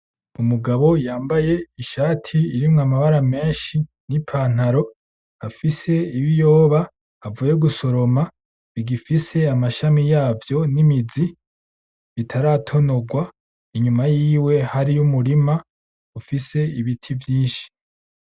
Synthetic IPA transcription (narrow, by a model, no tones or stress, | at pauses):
umuɡaβo̞jaːmbaje̞iʃaːtʰiiɾimŋamaβaɾame̞ːnʃinipʰaːn̥aɾo̞ | afise̞iβijo̞ːβaː | vuje̞ɡuso̞ɾo̞ma | βiɡifise̞amaʃamijaːvjo̞nimizi | βitʰaɾatʰo̞no̞ɡwa | iɲumajiːwe̞haɾijumuɾima | ufise̞iβitʰivjiːnʃi̥